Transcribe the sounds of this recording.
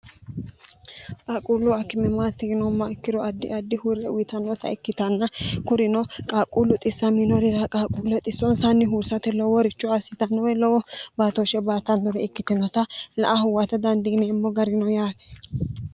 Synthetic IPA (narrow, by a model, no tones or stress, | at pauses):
kʼakʼuːlːʊɐkːɪmɛmat̪ːɪɡɪnɔmːɐɪkːɪɾɔɐd̪ːɪʔɐd̪ːɪhuɾɛwwɪt̪ɐnɔt̪ɐ̰ɪkːɪt̪ɐnːɐkʊɾɪnɔkʼaːkʼuːlʊt̪ʼɪsːɐmɪnɔɾɪɾɐkʼaːkʼuːlɛt̪ʼɪsːɔnsɐnːɪɦuːsɐt̪ɛlɔwɔɾɪt͡ʃːʊasɪt̪ɐnːɔwɛlɔwɔbaːt̪ɔʃɛbaːt̪ɐnd̪ʊɾɛɪkːɪt̪ɪnɔt̪ɐlɐ̰ʔahʊwat̪ɐd̪ɐnd̪ɪɡnɛɪmːɔɡɐɾɪnɔjaːt̪ɛ̥